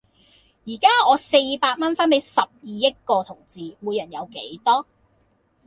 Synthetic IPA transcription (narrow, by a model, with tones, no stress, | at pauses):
jiː˨˩kaː˥ɔː˨˧se˧jpaː˧t̚mɐ˥nfɐː˥npe˨˥jsɐ˨p̚jiː˨jɐ˥t̚kɔː˧t̪ʰʊ˨˩ŋt͡siː˨muː˨˧jɐ˨˩njɐ˨˧wke˨˥jt̪ɔː˥